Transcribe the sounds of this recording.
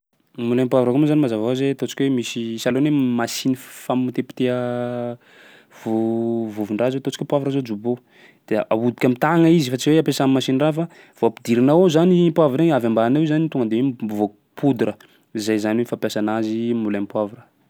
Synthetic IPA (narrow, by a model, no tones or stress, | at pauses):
mulampwavɾəkumazanimazavazet̪ot͡si̥kʲwemisisalonemasinifamut̪epi̥t̪eə | vuvuviɳɖ͡ʐazet̪ot͡si̥kʲepwavɾazod͡ʒubo | d̪̥eaud̪i̥kʲamit̪aŋəizifat͡siweapesamimasinirafa | v̥oapid̪iɾinaozanipwavɾeavambaːnewzanit̪oŋɡənd̪ewebuvo | pud̪uɾə | izajzaniweifapjasanazimulapwavuɾə